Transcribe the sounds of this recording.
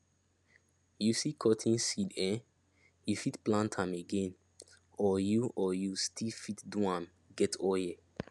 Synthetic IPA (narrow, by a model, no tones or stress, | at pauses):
jusikʰɔtʰĩnsidɛ̃ | jufitplãntʰãmeɡɛ̃n | ɔjuʔɔjustʰilfitduãm | ɡɛtʰɔjɛ